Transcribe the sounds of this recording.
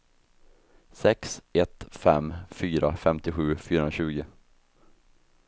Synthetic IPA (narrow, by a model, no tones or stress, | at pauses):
sɛksɛt̪fɛ̰mːfyːɾafɛmt̪ɪɧʉ̟ːfyːɾɔnɾaɕʉ̟ːɡɪ